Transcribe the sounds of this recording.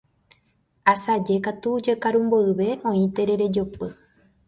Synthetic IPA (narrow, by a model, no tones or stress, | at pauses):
asad͡ʒe̞kat̪ud͡ʒekaɾũmboɨβe̞ʔõ̞ĩt̪e̞ɾe̞ɾe̞d͡ʒopɨ